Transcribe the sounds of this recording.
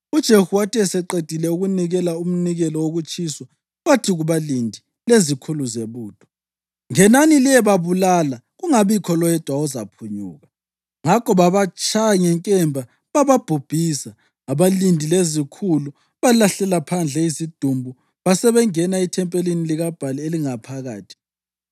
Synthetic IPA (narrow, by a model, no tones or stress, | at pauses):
ud̥ʒ̥ʱehuwatʰʼiɛsɛǃed̥ʱilɛuɣuniɣɛlaum̩niɣɛlɔwoɣut͡ʃʼisɔ | ɣatʰiɣuβalindʱi | lezikʰuluzeβuːd̥ʱɔ̥ | ŋɛnaniliɛβaβulalaɣuŋaβikʰɔlɔjɛd̥ʱwaɔza̰pʰuɲṵːɣa | ŋakʰɔβaβat͡ʃʼʰaɲɛŋkʼɛmbʱa | βaβab̥ʱub̥ʱisaː | βalindʱilezikʰulu | βalaɬɛlapʰand͡ɮʱɛisid̥ʱumbʱu | βasɛβɛŋɛnaitʰɛmpʼeliniliɣab̥ʱalieliŋapʰaɣa̰ːtʰi̥